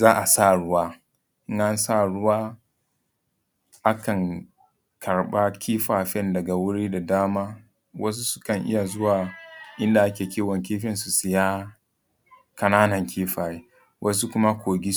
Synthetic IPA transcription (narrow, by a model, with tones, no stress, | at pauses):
zaː˦ʔa˨sa˦˨ɽʊ˦waː˦ | ʔɪ˦ŋʔa˦nsa˦˨ɽʊ˦waː˦ | ʔa˦kɐ˨ŋ | kʰɐ˨ɽɓa˦kʲʰiː˦ɸaː˨ɸɛ˦ndɐ˨ɡa˨wʊ˦ɽiː˦da˨daː˦maː˦ | wɐ˦s̬u˦sʊ̥˦kɐ˨ŋʔɪ̰˦ja˨zʊ˦waː˨ʔɪ˦nda˨ʔa˦kʲeː˨kʲiː˦wɐ˨ŋk̬ʲiː˦ɸɛ˦nsu˨sɪ˨jaː˦ | kɐ˨naː˦nɐ˨ŋkʰʲiː˦ɸaː˨je˦ | wʔɐ˦s̬u˦kʷʊ˦ma˦kʷoː˨ɡʲi˦